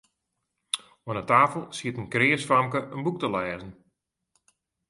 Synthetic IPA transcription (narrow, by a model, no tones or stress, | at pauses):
ənətaːfəlˠsiətənkrɪːəsfamkəʔənbuk̚təlɛːzən̩